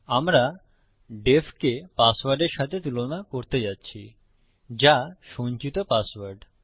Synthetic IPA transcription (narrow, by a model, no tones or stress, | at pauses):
amɾa | ɖefkepasʋaɾɖeɾʃat̪ʰet̪ulonakoɾt̪ed͡ʑatːɕʰi | d͡ʑaʃõnt͡ɕit̪opasʋaɾɖ